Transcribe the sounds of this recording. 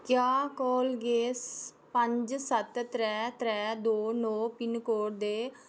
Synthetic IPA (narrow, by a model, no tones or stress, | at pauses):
kjaːkɔːlɡeːs | pəɲd͡ʒsət̪t̪ɾɛːt̪ɾɛːd̪oːnɔːpɪnkoːɽd̪eː